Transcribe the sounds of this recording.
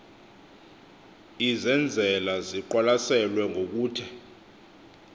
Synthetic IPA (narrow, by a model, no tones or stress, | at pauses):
izɛnd͡zʱɛlaziǃalasɛlwɛŋʱok̬uːtʰɛ